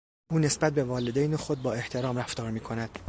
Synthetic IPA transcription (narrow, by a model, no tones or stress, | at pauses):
ʔuːne̞sbæt̪̚be̞vɒːled̪ejnexod̪̚bɒːe̞ht̪ʰe̞ɾɒːmɾæft̪ɒːɾmiːkʰo̞næd̪̥